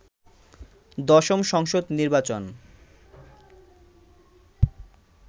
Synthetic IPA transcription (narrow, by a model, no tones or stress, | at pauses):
d̪ɔʃomʃɔŋʃod̪niɾbat͡ɕon